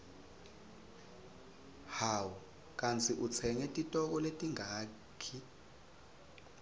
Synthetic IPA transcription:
hawu | k̬ʼant͡sʰiʔut͡sʰɛŋɛtʼitʼɔk̬ɔletʼiŋʱaː | kʰi

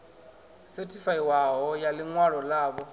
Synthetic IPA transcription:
setʰifaiwaɦɔjalɪŋwaɺɔlaːbɔ

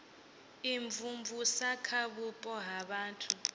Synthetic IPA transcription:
iɱvumvusakʰaɓupʼɔɦaɓaːntʰu

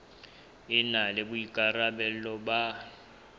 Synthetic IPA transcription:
ɪnalɪbʊikʼarabɛl̩lɔba

